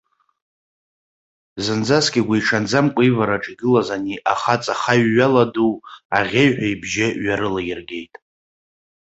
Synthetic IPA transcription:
zɨnd͡zaskʲʼɪɡʷaiʈ͡ʂʰand͡zamkʷʼivaɾaʈ͡ʂʼiɡɨlazaniʔaχat͡sʼaχaɥːaladuaʁʲejħʷᶣaibʒɪɥaɾɨlajɪrɡʲe̞jtʼ

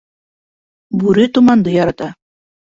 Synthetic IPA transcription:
bʉɾɘt̪umɑnd̪ɤjɒɾɑt̪ɑ

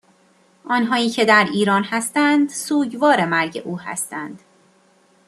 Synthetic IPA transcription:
ʔɒːnɦɒːiːcʰe̞d̪æɾiːɾɒːnhæst̪ænd̪suːɟvɒːɾe̞mæɾɟe̞̰ʔuːhæ̰st̪ænd̪̥

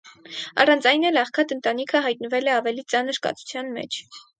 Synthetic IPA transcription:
ɑ̰rɑnd͡zɑjnɛlɑχkʰɑt̪ənt̪ɑnikʰəɦɑjt̪̚nəvɛlɛɑvɛlit͡sɑnəɾkɑ̰t͡sʰu̥t͡sʰjɑnmɛ̰t͡ʃʰ

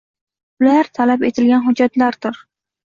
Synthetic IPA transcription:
ʊlaɾt̪ʰalapet̪ʰɪlɡʲanɦʊd͡ʒːat̪laɾd̪ʊɾ

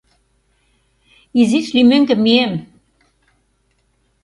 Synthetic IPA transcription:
iziʃlymɘ̆ŋɡɘ̆miem

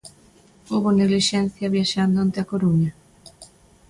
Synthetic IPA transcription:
oβoniɣliʃɛn̟θjɐβjaʃand̪oant̪eakoɾuɲa

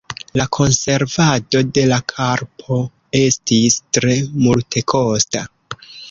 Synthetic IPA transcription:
lakʰo̞nse̞ɾvado̞de̞lakʰaɾpʰo̞ | e̞stistɾe̞multʰe̞kʰo̞sta

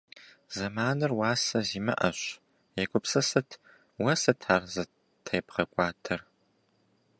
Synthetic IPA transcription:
zɐmaːnɨrwaːsɐziːmɐ̰ʔɐ̰ɕ | jɛkʷʊpsɐsɐtʰ | wɐsɐtʰaːrzɐ | tʰɐjpqɐkʷʼɑːtʰɐr

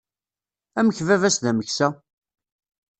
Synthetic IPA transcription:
æməçvævæsðæməçsæ

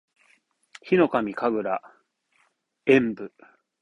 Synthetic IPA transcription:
çino̞kamʲikaɡɯ̟ɾa | ẽ̞mbɯ̟

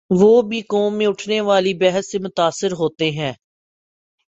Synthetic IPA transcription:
ʋoːbʱikoːmːẽʊʈʰneʋaːlibɛɦəsːemʊt̪aːsːɪɾɦoːt̪eɦɛ̃ː

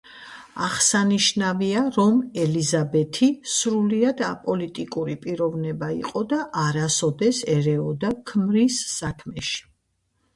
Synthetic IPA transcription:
a̰ʁsaniʃnaviaɾɔmɛlizabɛt̪ʰisɾuliad̪apʼɔlit̪ʼikʼuɾipʼiɾɔvnɛbaḭqʼɔd̪aʔaɾasɔd̪ɛsɛɾɛɔd̪akʰmɾisːakʰmɛʃi̥

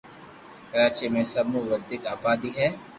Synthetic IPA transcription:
kəɾaːt͡ʃimẽsəbmuʋəd̪ɪkaːbaːd̪iːɦɛː

